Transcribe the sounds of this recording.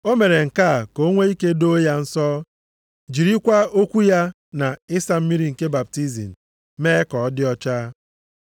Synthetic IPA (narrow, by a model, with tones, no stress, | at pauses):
o˦me˨ɾe˨ŋ̩˨ka˦˨ko˦ŋʷe˦i˦ke˦do˦ja˦n̩˦sɔː˦ | d͡ʒi˨ɾi˦kʷa˦o˦kʷu˦ja˦ | na˨ɪ˦sa˦m̩˦mi˦ɾi˦ŋ̩˨ke˦ba˨p̚ti˦zḭ˨n̩˨ | meː˦kɔ˨˦dɪ˦ɔ˦t͡ʃaː˦